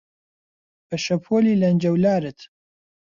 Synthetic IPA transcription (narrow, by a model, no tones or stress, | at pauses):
bɐʃɐpʰoːliːlɐnd͡ʒɐwlaːɾɨt̪